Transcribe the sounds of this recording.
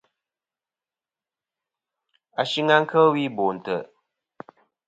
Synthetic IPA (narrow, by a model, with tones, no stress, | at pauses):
a˨ʃi˦ŋa˦ŋ̩˦kʰə˦wi˦bo˨n̩˨tə˨